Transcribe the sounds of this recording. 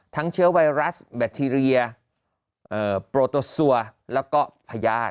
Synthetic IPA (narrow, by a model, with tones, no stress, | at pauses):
t̪ʰa˦˥ŋt͡ɕʰɯ˦˥ɐwa˧jɾa˦˥sbɛ˨˧˩t̪ʰːiː˧ɾi˧ɐ | ʔɤː˨˩pɾoː˧t̪o˧su˧˩ɐlɛː˦˥wkɔː˥˩pʰa˧jaː˥˩t̚